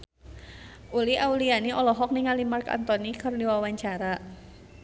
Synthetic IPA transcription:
ʔuliʔaulianiʔɔlɔɦɔk̚niŋalimarka̰nt̪ɔnikərniwawaɲt͡ʃaɾa

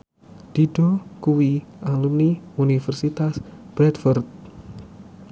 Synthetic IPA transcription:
d̥iɖ̥ɔkuwiʔalumniunifɛrsit̪asb̥ɾɛdfɔrt̪̚

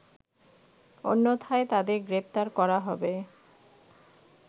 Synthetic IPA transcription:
o̰nːot̪ʰaet̪ad̪eɾɡɾep̚ʰt̪aɾkɔɾaɦɔbe

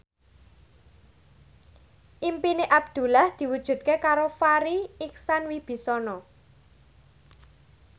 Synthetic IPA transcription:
ʔimpineʔab̚d̪̥ṳlahd̪̥i̤wud̥ʒ̥ṳt̪̚kekaɾofaɾiiksanwib̥i̤sɔnɔ

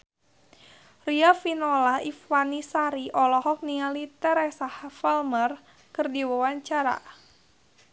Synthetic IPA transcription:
riafinɔlaifwanisaɾiʔɔlɔhɔk̚nialit̪ɛɾɛsahafɛlmər | kɨrdiwawaɲt͡ʃaɾa̰

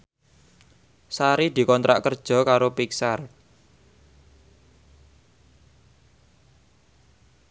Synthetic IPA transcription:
saɾid̪̥i̤kɔnt̪ɾʔa̰ʔkərd̥ʒ̥ɔ̤kaɾopiksar

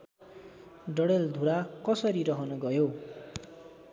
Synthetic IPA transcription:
ɖʌɽeld̪ʱuɽakʌsʌɾiɾʌɦʌnʌɡʌjo

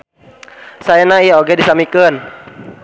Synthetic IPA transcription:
sajanaioɡedisamikən

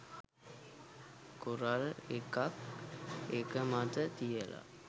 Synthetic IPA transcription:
kuɾalekak | ekəmat̪ət̪ijəla̰

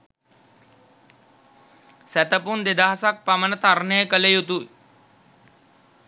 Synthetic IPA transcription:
sæt̪əpund̪ed̪aːasak̚pamənət̪arnəjəkələjut̪ui

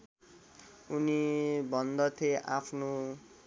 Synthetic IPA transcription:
unibʱʌnd̪ʌt̪ʰeʔapʰno

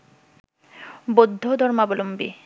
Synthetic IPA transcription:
bod̪ʱːod̪ʱɔɾmabolombḭ

